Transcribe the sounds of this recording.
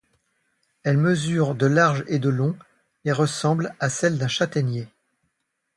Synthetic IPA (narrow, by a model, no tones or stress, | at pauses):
ɛlməzyʁd̪əlaʁʒed̪əlɔ̃ | eʁəsɑ̃blasɛld̪ɛ̃ʃat̪ɛnje